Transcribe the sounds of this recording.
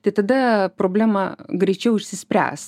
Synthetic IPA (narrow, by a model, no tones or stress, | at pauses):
t̪ɐɪt̪ɐd̪ɐpɾoːbʲlʲæːmɐɡɾʲɛɪt͡ʃʲɛʊɪʃʲsʲɪsʲpʲɾʲæ̰ːs